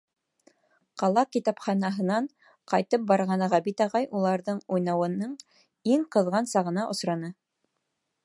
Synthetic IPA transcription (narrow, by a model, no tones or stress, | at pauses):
qɑlˠɑkit̪ɑpχɑnɑɦɤ̆nɑɴ | qɑjt̪ɤp̚bɑɾʁɑnɑʁæbit̪ɑʁɑjʔulˠɑɾðɤɴujnɑwɤ̆nːɤɴ | iŋqɤ̆ðʁɑnsɑʁɤ̆nɑʔŏsɾɑnɤ